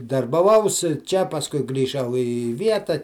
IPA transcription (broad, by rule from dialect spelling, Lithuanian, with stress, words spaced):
dɐrbɐˈʋɐʊs t͡ʃʲɛ pɐsˈkʊɪ ɡrʲiːˈʒɐʊ ɪ ˈʋʲiɛtɐ